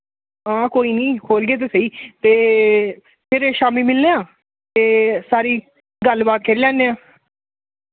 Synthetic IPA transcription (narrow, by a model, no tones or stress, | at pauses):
ãːkoːiːnĩːkʰoːlɡeːt̪̬eːsəiːt̪eː | pʰɪɾʃaːmiːmɪlneãː | t̪eːsaːɾiː | ɡəlbaːt̪̚kʰeːɾiːlɛ̃ːnːeːãː